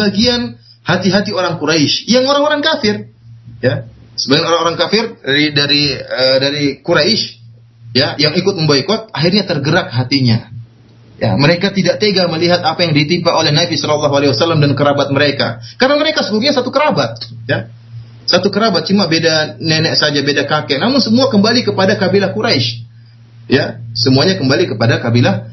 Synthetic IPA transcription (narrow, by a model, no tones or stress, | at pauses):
baɡian | hat̪iɦat̪ioɾaŋkuɾaɪʃjaŋoɾaŋoɾaŋkafɪrjasəbaɡɛnoɾaŋoɾaŋkafɪridaɾiədaɾikuɾaɪʃ | jajaŋikʊt̪̚məmbaikɔt̪̚aɦɪrɲat̪ərɡəɾak̚ɦat̪iɲa | ja̰məɾekat̪idaʔt̪eɡaməliɦat̪apajaŋdit̪impaʔolɛhnabisɔlɑlːɑɦualewasalːamdankəɾabat̪̚məɾeka̰karənaməɾekasəluɡuɲasat̪ukəɾabat̪̚ja | sat̪ukəɾabat̪̚t͡ʃumabedanenɛʔsad͡ʒabedakakɛʔnamʊnsəmuakəmbalikəpadakabilahkuɾaɪʃ | jasəmuaɲakəmbalikəpadakabilah